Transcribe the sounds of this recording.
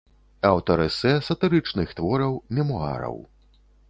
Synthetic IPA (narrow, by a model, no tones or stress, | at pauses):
ɐwt̪ɐɾɛsɛsɐt̪ɨɾɨt͡ʂnɨxt̪vɔɾɐwmʲɛmɔa̰ɾɐ̰w